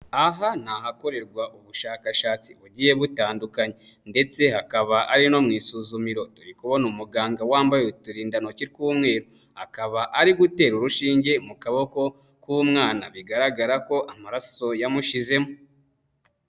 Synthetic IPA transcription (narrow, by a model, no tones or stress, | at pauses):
aɦan̥aɦako̞ɾe̞ɾɡwaʔuβuʃaːkaʃaːt͡siβuɟiːje̞βutaːndukaɲende̞t͡se̞hakaβaʔa̰ɾino̞mŋiːsuːzumiɾo̞tuɾikuβonumuɡaːŋɡawaːmbajetuɾiːndano̞ciɾkuːmŋe̞ːɾu | akaβaʔaɾiɡute̞ːɾuɾuʃiːɲɟe̞mukaβo̞ko̞ | kuːmŋaːnaβiɡaɾaɡaɾako̞ʔamaɾaso̞jamuʃize̞mo